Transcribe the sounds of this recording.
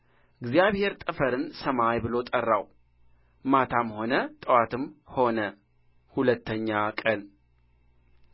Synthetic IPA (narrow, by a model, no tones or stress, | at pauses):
ʔɨɡzijaβhe̞ɾt̪ʼəfəɾɨnsəmajbɨlo̞t̪ʼərːaw | mat̪ʰamho̞nət̪ʼəwat̪ʰɨmho̞nə | hulət̪ʰːəɲːakʼən